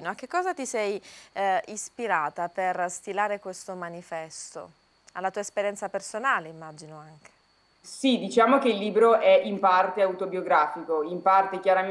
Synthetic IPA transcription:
noak̟ːekːɔːzat̪isɛj | ispiɾaːt̪aperst̪ilaːɾekwest̪omanifɛst̪o̰ | a̰lːat̪uːaespeɾjɛnt̪sapersonaːleimːaːd͡ʒinoaŋk̟e̥ | sid̪it͡ʃaːmokeilːiːbɾoɛʔimpart̪eawt̪objoɡɾaːfikoimpart̪ekjaɾa

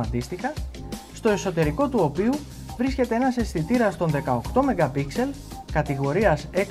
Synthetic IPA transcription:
ɐt̪ist̪ikɐst̪o̞e̞so̞t̪e̞ɾiko̞t̪uo̞piu | vɾisce̞t̪e̞enɐse̞sθit̪iɾɐst̪o̞nðe̞kɐo̞kt̪o̞me̞ɡɐpikse̞lkɐt̪iɣo̞ɾiɐse̞

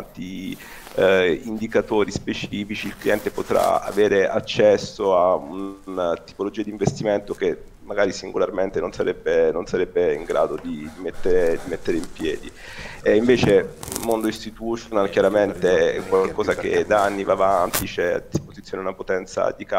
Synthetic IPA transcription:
t̪i | ind̪ikat̪oːɾispet͡ʃiːfit͡ʃiːlkliɛnt̪epot̪ɾa̰a̰veːɾeat͡ʃːɛsːoaunnat̪i̥polod͡ʒiːad̪iɱvest̪iment̪oke | mːaɡaːɾisiŋɡolarment̪enonsaɾɛbːenonsaɾɛbːeiŋɡɾa̰ːd̪od̪id̪imet̪ːeɾed̪imet̪ːeɾeimpjɛːd̪i | iɱveːt͡ʃemond̪oist̪it̪ut͡ʃonalkjaɾament̪ekwalkɔːzakḛd̪aanːivaːvant̪it͡ʃɛa̰d̪ːispozit̪sjoːneunapot̪ɛnt̪sa̰d̪ika

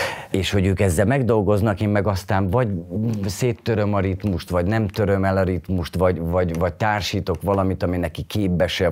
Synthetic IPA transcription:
eːʃho̞ɟøːkɛzːɛlmɛɡd̪o̞lɡo̞znɒkeːmmɛɡɒst̪aːnvɒɟseːt̪ːøɾø̞mɒɾit̪muʃt̪ʋɒɟnɛmt̪ø̞ɾø̞mɛlɒɾit̪muʃt̪ʋɒɟvɒɟvɒɟt̪aːrʃiːt̪o̞kʋɒlɒmit̪ɒminɛkikʰeːbːɛʃɛ

